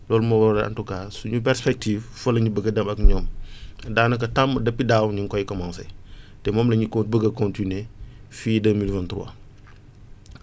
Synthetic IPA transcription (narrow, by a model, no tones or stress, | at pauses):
lɔːlumɐwɐɾɐɐ̰ntukaːsuɲupɛɾspɛk̚tiffɐlɐɲubəɡɐdɐmɐkɲɔːmdaːnɐkɐtɐmdɐpːidaːwɲiŋkɔjkɐmɔŋsɛ̰tɛmɔːmlɐɲikɔbəɡɐkɔntinefiːdəmilvɐntɾuwɐ̰